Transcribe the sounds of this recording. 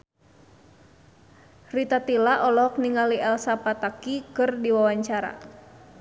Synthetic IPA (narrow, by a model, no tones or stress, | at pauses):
rit̪at̪ilaʔɔlɔk̚niŋaliʔɛlsapat̪akikɨrdiwawaɲt͡ʃaɾa̰